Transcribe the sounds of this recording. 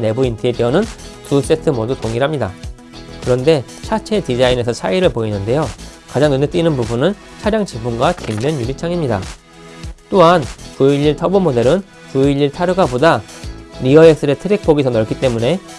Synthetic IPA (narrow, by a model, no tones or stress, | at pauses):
ne̞buintʰe̞biʌnɯntus͈e̞tʰɯmʌdutoŋiɾɦamɲida̰ | kɯɾʌnde̞ | t͡ɕʰat͡ɕʰe̞tid͡ʑaine̞sʰʌt͡ɕʰaiɾɯɭpoinɯnde̞jo | kad͡ʑaŋɯnet͈inɯnpubunɯn | t͡ɕʰaɾjaŋt͡ɕibunɡwakimdenjuɾit͡ɕʰaŋimɲida̰ | t͈oɦankuiʎːiɭtʰʌbumode̞ɾɯn | kuiʎːiɭtʰaɾɯɡabodaɾiʌes͈ɯɾe̞tʰɯɾik̚p͈oɡisʰʌnʌɭk͈ʰit͈e̞mune̞